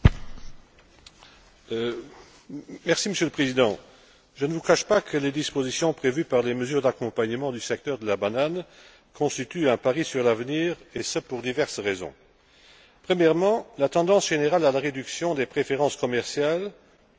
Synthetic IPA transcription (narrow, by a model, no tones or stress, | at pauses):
mɛʁsiməsjøləpχezid̪ɑ̃ | ʒənəvukaʃpakʰəled̪ispozisjɔ̃pχevypaʁleməzyːʁd̪akɔ̃paɲəmɑ̃d̪ysɛk̚t̪œːʁd̪əlabanan | kʰɔ̃st̪it̪yɛ̃paʁisyʁlavniːʁesəpuʁd̪ivɛʁsʁezɔ̰̃ | pχəmjɛʁmɑ̃lat̪ɑ̃d̪ɑ̃sʒ̥eneʁalalaʁed̪yksjɔ̃d̪epχefeʁɑ̃skɔmɛʁsjal